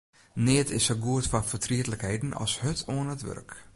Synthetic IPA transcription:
nɪətʰɪsəɡuətfɔnfərtʰriətləkhejdn̩ɔ̰lˠshøtʰoənətʋø̰rk

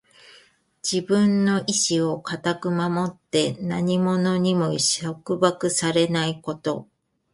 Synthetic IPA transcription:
d͡ʑibɯ̟̃nːo̞ʔiɕio̞kat̪akɯ̟mamo̞t̪ːe̞naɲ̟imo̞no̞ɲ̟imo̞ɕokɯ̟bakɯ̟saɾe̞naiko̞t̪o̞

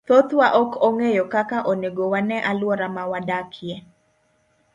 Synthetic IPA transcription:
t̪ot̪waʔɔkʰɔŋejɔkakaʔoneɡowanɛʔalwɔɾamawadakʰje

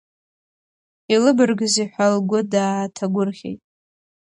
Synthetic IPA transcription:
ilɨbɨrɡɨziħʷalɡʷʊdaːtʰaɡʷʊrχʲḛjtʼ

